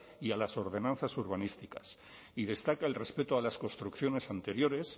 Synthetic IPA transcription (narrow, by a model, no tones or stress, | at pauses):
ialaso̞ɾðe̞nãnθasuɾβ̞anist̪ikas | iðe̞st̪akaelre̞spe̞t̪oalasko̞nst̪ɾukθjo̞ne̞sant̪e̞ɾjo̞ɾe̞s